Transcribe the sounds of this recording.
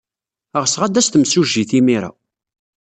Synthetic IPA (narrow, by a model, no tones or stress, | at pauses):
əʁsʁad̪æst̪əmsuʒiθimiɾa̰